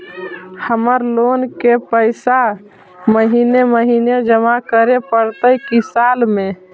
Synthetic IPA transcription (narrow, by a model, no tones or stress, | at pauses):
həməɾlonkepəɪsa | məɦineməɦined͡ʒəmakəɾepəɽt̪əjkisalme